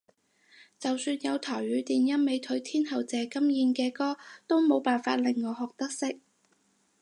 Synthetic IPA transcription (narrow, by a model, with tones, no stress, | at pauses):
t͡sɐ˨wsyː˧njɐ˨˧wt̪ʰɔː˨˩jɥyː˨˧˥t̪iː˨njɐ˥nme˨˧jt̪ʰɵ˨˥ɥt̪ʰiː˥nhɐ˨˩wt͡sɛː˨˧kɐ˥mjiː˧nkɛː˧kɔː˥t̪o˥wmo˨˧wpaː˨nfa̰ː˧t̚lɪ˨ŋːɔː˨˧ɦɔː˨k̚t̪ɐ˥k̚sɪ˥k̚